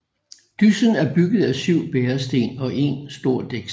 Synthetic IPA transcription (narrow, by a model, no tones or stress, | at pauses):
d̥ysən̩æɐb̥yɡ̥ð̩ˠæsyʊ̰b̥eːɐsd̥e̝̰ːnɒ̽ʔe̝nsd̥o̝ɐ̰d̥eɡ̥s